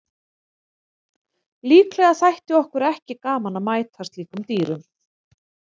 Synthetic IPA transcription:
liːklɛːɣaθajht̪ɪɔhkʏɾɛhcɪkaːmanamaːjt̪hast̪liːkʏmt̪iːɾʏm

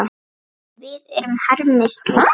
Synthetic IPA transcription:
a | vɪðɛɾʏmhaɾmɪst̪la

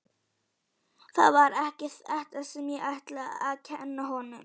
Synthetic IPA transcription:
θa̰ðvaɾɛhcɪ̥t̪ɛht̪asɛmjɛʔaht̪lɪa̰ðcʰɛnːaɦɔnʏm

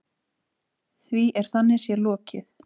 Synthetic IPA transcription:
θviʔɛɾ̥θanːɪsjɛlɔːcɪθ

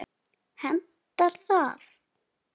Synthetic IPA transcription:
hɛnt̪ːaɾθað

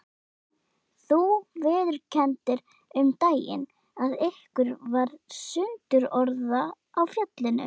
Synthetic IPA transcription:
θuvɪːðʏɾcʰɛnt̪ɪɾ | ʏmt̪aːjɪ̰n | aðɪhkʏɾvaɾ̥sʏnt̪ʏɾɔɾðaː | wfjœt̪lɪnʏ̰

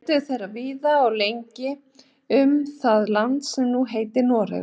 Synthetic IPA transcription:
t̪ʏθejraviːðaɔɣlejɲcɪ | ʏmθaðlant̪sɛmnuɦejt̪ɪnɔːɾɪ̰

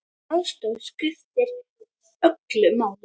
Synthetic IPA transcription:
awst̪œwskɾɪft̪ɪɾ | œklʏmaːwl

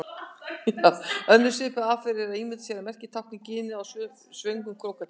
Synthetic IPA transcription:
jaːœnːʏɾ̥sɪːpʏafɪɾɪɾaðimɪt̪sjɛɾamɛr̥cɪ̥t̪ʰawknɪcɪːnɪawsʏ | svœŋkʏmkʰɾowkat̪

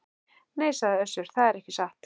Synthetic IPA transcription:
neːjsaðɪœsːʏɾ̥θaðɛɾɛhcɪsaht̪

